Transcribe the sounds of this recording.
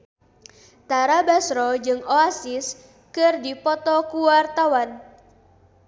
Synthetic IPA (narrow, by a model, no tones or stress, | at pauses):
t̪aɾabasɾɔd͡ʒɨŋoasɪs | kɨrdipɔt̪ɔkuwart̪awan